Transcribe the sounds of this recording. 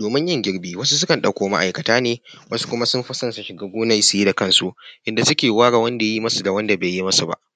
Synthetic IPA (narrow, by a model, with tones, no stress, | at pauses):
doː˨mɪ˦ɲjɪ˦˨ŋɡʲɪ˦ɽbiː˨wɐ˦su˦sʊ˦kɐ˨nɗɐ˨kʷoː˨ma̰˦ʔa̰˨jkɐ˨taː˦neː˨ | wɐ˦su̥˦kʷʊ˦ma˦sʊ˦mɸʊ˦sɐ˦nsu˨ʃɪ˨ɡaː˦ɡʷʊː˦na˦jsu˨ji˦da˨kɐ˦nsu˦ʔʔɪ˨nda˨sʊ˦kʲeː˨waː˦ɽaː˨wɐ˦nda˨ja˦ji˦mɐ˦su˨da˨wɐ˦nda˨beː˨jji˦mɐ˦su˨ba̰˦ʔ